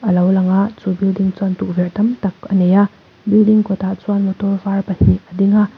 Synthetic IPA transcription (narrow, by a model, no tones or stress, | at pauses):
ɐlawlaŋat͡ʃubildiŋt͡ʃantuk̚veɾtɐmtɐkɐneja | bildiŋkɔtʰat͡ʃuanmɐtɔfaɾpɐsiɐdiŋa